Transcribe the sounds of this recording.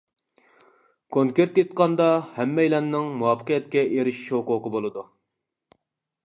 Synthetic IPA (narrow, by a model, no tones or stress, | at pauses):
kʰoŋkʲeɾt̪jet̪qɑnd̪ɑhɛmːɛjlɛnːɪŋmuwɑfʰə̥qijɛt̪kʲɛʔeɾɪʃi̥ʃhʊqʊːqəbolˠɨd̪u